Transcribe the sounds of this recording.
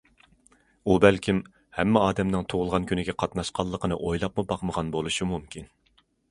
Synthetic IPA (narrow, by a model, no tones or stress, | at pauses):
ubɛlkʲʰim | hɛmːɪɑːd̪ɛmnɨŋt̪ʰoʁʊlˠʁɑnkʲynɪɡʲɛqʰɑt̪nɑʃqɑlˠːəqʰənɨ̰ʔojlˠɑpmubɑqməʁɑnbolˠuʃumumkʲʰin